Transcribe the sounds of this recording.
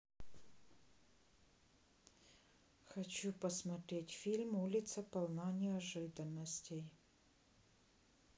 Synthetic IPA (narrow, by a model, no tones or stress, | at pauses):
xɐt͡ɕupəsmɐt̪ɾʲetʲfʲilʲmulʲɪt̪səpɐlˠnanʲɪɐʐɨd̪ənːəsʲtʲej